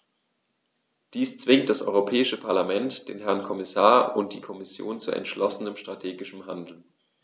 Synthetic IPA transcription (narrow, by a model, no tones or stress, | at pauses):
d̥iːst͡sv̥ɪŋt̚d̥asʔɔ̰ʏʁopʰɛːɪʃəpʰaɐlamɛntd̥eːnɦɛɐnkʰɔmɪsaːɐʊnt̚d̥iːkʰɔmɪsjo̰ːnt͡suʔɛ̰ntʃlɔsənəmʃtʁ̥atʰeːɡɪʃəmɦandl̩